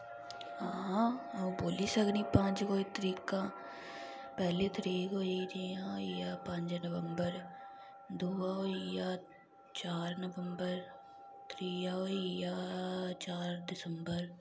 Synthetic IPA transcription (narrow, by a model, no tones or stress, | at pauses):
ɦãː | boːliːsəɡniːpə̃ɲd͡ʒkoːit̪əɾiːkãː | pɛːleːt̪əɾiːkɦoːiːɾiːãːijaːpə̃ɲd͡ʒnəʋəmbəɾ | d̪uːaːɦoijaː | t͡ʃaːɾnəʋəmbəɾ | t̪ɾiːjaːɦoijaːt͡ʃaːɾd̪ɪsəmbəɾ